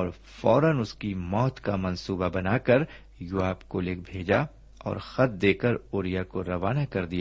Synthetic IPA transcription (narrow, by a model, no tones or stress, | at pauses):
ɔːɾ | fɔːɾənʊskimɔːt̪kamɐ̃nsuːbabɐnaːkɐɾ | jʊaːbkolek̚bʱeːd͡ʒa | ɔ̰ːɾxɐt̪̚d̪eːkəɾoːɾijakoɾɐʋaːnakɐɾd̪ija